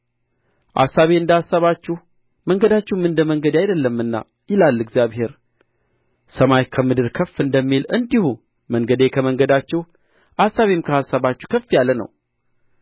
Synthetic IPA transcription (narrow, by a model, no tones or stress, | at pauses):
ʔa̰sːaβe̞ɨnd̪əhasːaβat͡ʃːuh | məŋɡəd̪at͡ʃːɛhmɨnd̪əməŋɡəd̪ajd̪əlːəmːɨnːa̰ | jɪlalːɨɡzjaβhe̞ɾ | səmajkʰəmɨd̪ɨɾkʰəfːɨnd̪əmːilɨnd̪ihu | məŋɡəd̪ekʰəməŋɡəd̪at͡ʃːɛh | ʔasːaβemkʰəhasːaβat͡ʃːuhkʰəfːjalːənə̰w